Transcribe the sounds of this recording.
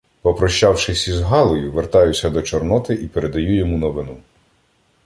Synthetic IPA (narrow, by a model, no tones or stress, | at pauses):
pɔpɾɔʃt͡ʃɑwʃɪsʲizɦɑlˠɔjʊʋert̪ɑjʊsʲɐd̪ɔt͡ʃɔrnɔt̪ɪʔipeɾed̪ɐjujɔmunɔʋɪnu